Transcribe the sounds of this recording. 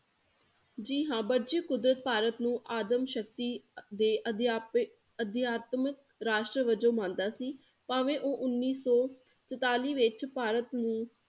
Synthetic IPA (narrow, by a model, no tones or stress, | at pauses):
d͡ʒiːɦãːbəɾd͡ʒiːkʊd̪ɾət̪̚paːɾət̪nũːʔaːd̪əmʃək̚t̪iːd̪eːʔ̪ | əd̪jaːt̪mək̚ | ɾaːʃʈɾəʋəd͡ʒõːmãːnd̪aːsiː | paːʋẽːʔoːʔʊnːiːsɔː | t͡ʃət̪aːliːʋɪt͡ʃpaːɾət̪nũː